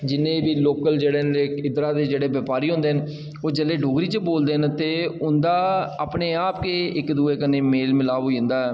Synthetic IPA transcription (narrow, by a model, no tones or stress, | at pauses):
d͡ʒɪnːẽːbiːloːkəld͡ʒeːɽeːnkɪd̪ɾaːd̪eːd͡ʒeːɽeːʋəpaːɾiːɦʊ̃nd̪eːɦən | oːd͡ʒəlːeːɖoːɡɾiːt͡ʃəboːld̪eːɦənt̪eːʊnd̪aːapneːaːpkeːɪkd̪uːeːkəneːmeːlmɪlaːʋɦoːind̪aːɦɛː